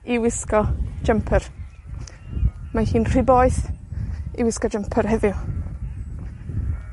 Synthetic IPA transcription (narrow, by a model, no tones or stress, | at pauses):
iwɪskɔd͡ʒəmpʰər | mahiːnr̥ɪboːɨθ | iwɪskɔd͡ʒəmpʰərhɛðɪʊ